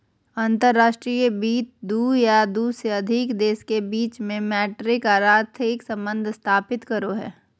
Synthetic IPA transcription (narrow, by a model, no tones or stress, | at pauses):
ə̃nt̪əɾːaːʃʈɾiːəbiːt̪̚d̪uːjad̪useɐd̪ʱɪkd̪eːskebiːt͡ʃmẽmɛːʈɾɪkaːɾaːt̪ʰɪksɐ̃mbə̃nd̪ʱst̪ʰaːpɪt̪kɐɾoɦɛ̰ː